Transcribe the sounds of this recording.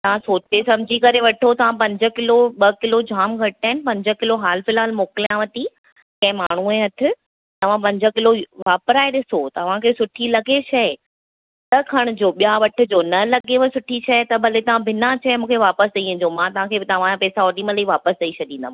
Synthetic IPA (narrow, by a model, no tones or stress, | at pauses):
t̪ɐʋ̤ãsoːt͡ɕesɐbd͡ʑʱikɐɾeʋɐʈʰot̪ɐʋ̤ãpɐ̃ɲd͡ʑə̆kɪloɓɐkɪlod͡ʑʱaːmɡʱɐɽ̚aːɪnɪpɐ̃ɲd͡ʑə̆kɪloɦaːlfɪlaːlmoːkɪlijãʋɐt̪i | kɐ̃ɦɪ̃maːɳ̤uẽɐt̪ʰɪ | t̪ɐʋ̤ãp̬ɐ̃ɲd͡ʑə̆kɪloʋaːpɾaːeɗɪsot̪ɐɐʋ̤ãkʰeːsʊʈʰilɐɡet͡ɕʰɐe | t̪ɐkʰɐɽ̃ʊ̆d͡ʑoːɓijaʋɐʈʰʊ̆d͡ʑonɐlɐɡeʋɐsʊʈʰit͡ɕʰɐet̪ɐbʱɐlet̪ɐʋ̤ãbʱɪnat͡ɕʰɛmũːkʰeʋaːpəst̪ɐĩʊ̃ɲd͡ʑomãt̪ɐʋ̤ãkʰeːt̪ɐʋ̤ãd͡ʑãpɛːsaɔːɖiːmə̃ləiʋaːpəst̪ɐit͡ɕʰɐɗĩːnd̪a̰mã